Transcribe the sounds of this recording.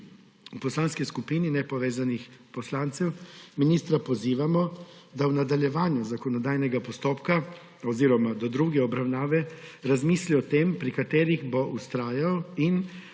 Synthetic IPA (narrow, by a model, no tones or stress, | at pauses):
upɔslanskiskupiːninɛpɔʋeːzanixpɔslant̪sɛwminiːst̪ɾapɔziːʋamɔd̪awnad̪aljɛʋaːnjuzakɔnɔd̪aːjnɛɡapɔst̪oːpka | ɔziːɾɔmad̪ɔd̪ɾuːɡɛɔbɾawnaːʋɛɾazmisliɔt̪eːmpɾikat̪eːɾiɣbɔʔust̪ɾaːjawin